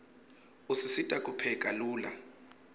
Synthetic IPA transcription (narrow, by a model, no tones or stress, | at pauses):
usisitʼakʼupʰɛkʼaluːla̰